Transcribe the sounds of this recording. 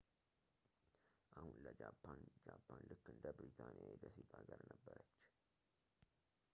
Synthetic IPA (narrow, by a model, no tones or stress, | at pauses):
ʔahunləd͡ʒapʰːand͡ʒapʰːanlɨkːɨnd̪əbɾit̪ʰanijajb̪əsiɡ̪ʼaɡəɾnəbːəɾət͡ʃː